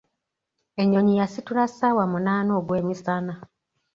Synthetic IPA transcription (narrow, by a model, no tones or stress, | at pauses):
eɲoɲijasituɾasawamunaːnoːɡweːmisana